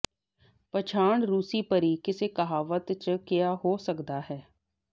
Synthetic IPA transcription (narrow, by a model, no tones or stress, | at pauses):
pət͡ʃʰaːɳɾuːsiːpəɾiːkɪsekəɦaːʋət̪t͡ʃkɪjaːɦoːsəkd̪aːɦɛː